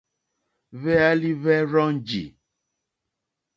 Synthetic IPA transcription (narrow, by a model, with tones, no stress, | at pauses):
βɛ˦a˦li˦βɛ˦ɾɔ˦ŋd͡ʒḭ˨